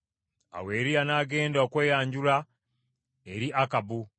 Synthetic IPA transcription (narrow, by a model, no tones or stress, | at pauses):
a̰we̞ːɾianaːɡe̞ːndaokwe̞ːjaːɲɟula | eɾiʔakabu